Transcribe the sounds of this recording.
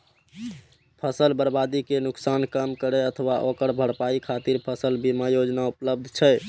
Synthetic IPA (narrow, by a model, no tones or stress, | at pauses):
pʰəsəlbəɾbad̪ikenuksankəmkəɾɛət̪ʰəwaʔokəɽbʱəɽpaikʰat̪iɾpʰəsəlbimajod͡ʒnaupləb̚d̪ʱt͡ʃʰɛ